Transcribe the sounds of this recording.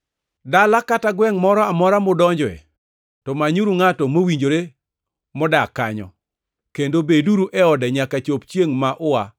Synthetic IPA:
dalakataɡwɛŋmɔɾɔamɔɾamodɔɲd͡ʒɔɛ̰ | tɔmaɲuɾuŋatɔmowiɲd͡ʒoɾe | mɔdakaɲɔ̰ | kendobeduɾuʔɛɔdɛɲakat͡ʃopt͡ʃjeŋmaʔʊa

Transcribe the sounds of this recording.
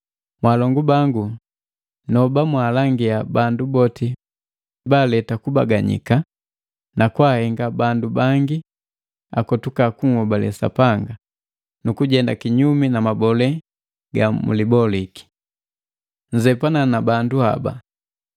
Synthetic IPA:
mwalɔŋɡubaŋɡu | nɔbamwaːlaŋɡiabandubɔti | balɛtakubaɡaɲḭka | nakwahɛŋɡabandubaŋɡi | akɔtukakuŋhɔbalɛ̰sa̰paŋɡa | nukuɟɛndakiɲuminamabɔlɛ | ɡamṵlibɔliki̥ | ɲd͡ʒɛpananabanduha̰ba̰

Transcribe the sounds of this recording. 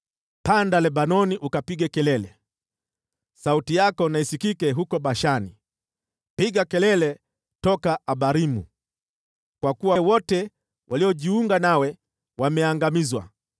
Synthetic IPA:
pandalɛɓanɔniʔukapiɠɛkɛlɛlɛ | sautijakɔnaisikikɛɦukɔɓaʃani | piɠakɛlɛlɛ | tɔkaʔaɓaɾimṵ | kwakuwawɔtɛ | wʔaliɔʄiuŋɡanawɛ | wamɛaŋɡamizwa̰

